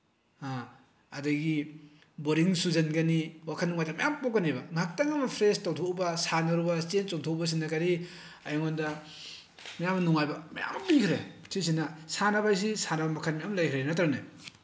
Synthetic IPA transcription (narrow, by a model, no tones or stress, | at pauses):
a | ɐdɐɡi | boɾiŋsuzɐnɡɐniwakʰanːuŋajdɐmajampokanebɐŋak̚taŋɐmɐpʰɾestawtʰobɐsanaɾubɐt͡ʃent͡ʃoŋtʰobɐs̬inːɐkaɾi | ajoŋondɐ | majamɐnuŋajbɐmaja̰mmlijkʰɾe | tʰis̬inɐsanabajs̬isanabɐmakʰanmajamlajkʰɾenatɾnaj